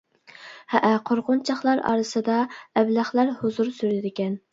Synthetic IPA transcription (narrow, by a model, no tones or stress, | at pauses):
hɛʔæqʰoɾʁʊnt͡ʃʰɑχlˠɑɾɑ̰ɾɨsɨd̪ɑɛblæχlˠæɾhozuɾsyɾɪd̪ɪkʲɛn